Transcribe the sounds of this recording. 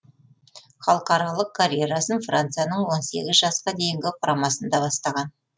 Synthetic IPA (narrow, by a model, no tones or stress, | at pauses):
χɑlˠəqɑɾɑlˠəq̚kʰaɾʲjeɾasənfrant̪sɨjanəɴwo̞nse̞̰ɡʲɪzʒɑsqɑd̪e̞jɪŋɡʲɪqʰʊɾɑmɑsənd̪ɑbɑst̪ɑʁɑn